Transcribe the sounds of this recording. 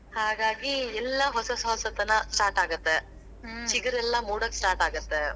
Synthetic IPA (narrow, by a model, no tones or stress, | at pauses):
haːɡaːɡiɛlːɐɦɔsɐsɐɦɔsɐt̪ɐnɐsʈaːɾʈaːɡɐt̪ːe | t͡ʃiɡɐɾɛlːɐmuːɽɐksʈaːɾʈaːɡɐt̪ːe